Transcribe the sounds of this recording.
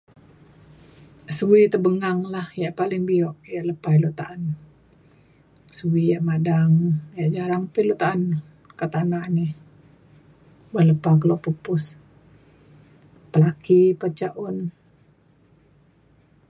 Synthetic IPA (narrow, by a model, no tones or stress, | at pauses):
suwit̪əbəŋaŋlahjaʔpalɪŋbiɔʔjaʔləpailut̪aʔan | suwijaʔmadaŋjaʔd͡ʒaɾaŋpɪlut̪aʔːn | kət̪anani | bahləpak̬əlɔʔpupʊs | pəlakipət͡ʃaʔʊn